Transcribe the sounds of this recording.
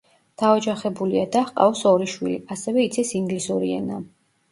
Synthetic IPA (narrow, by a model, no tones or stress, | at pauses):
d̪̥aɔd͡ʒaχɛbuliad̪aχqʼa̰ɔsɔɾiʃwḭlḭasɛvɛit̪sʰɛsiŋɡlisuɾiɛ̰na